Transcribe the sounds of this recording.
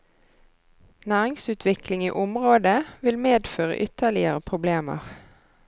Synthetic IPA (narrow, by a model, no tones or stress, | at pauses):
næːʁɪŋsʉːt̪ʰʋɪklɪŋḭːʔʊmʁoːd̪əʋɪlmeːd̪føːʁə̰ʔʏt̪əʁlɪəʁəpʰʁʊbleːmə̰ʁ